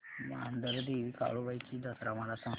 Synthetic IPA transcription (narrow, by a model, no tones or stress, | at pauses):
ma̰nd̪əɾd̪eʋika̰ɭubajt͡ɕiːd̪əsɾamaɽasə̃